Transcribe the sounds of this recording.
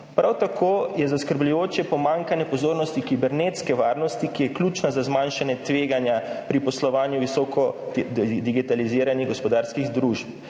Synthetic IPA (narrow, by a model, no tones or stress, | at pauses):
pɾawt̪akʰoːjɛzaskəɾblujoːt͡ʃjɛpɔmaŋkanjɛpɔzoːɾnɔst̪ikibɛɾnet̪skɛʋaːɾnɔst̪ikijɛklʲuːt͡ʃnazazmanʃanɛt̪ʋeːɡanjapɾipɔslɔʋaːnjuʋisɔkɔ | d̪iɡit̪aliziːɾaniɣɡɔspɔd̪aːɾskiɣd̪ɾuːʃp